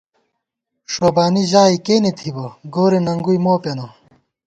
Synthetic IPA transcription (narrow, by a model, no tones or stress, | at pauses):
ʂoːbaːniʑaːikeːnit̪ʰibɐɡoːɾinɐŋɡujmoːpɐnɐ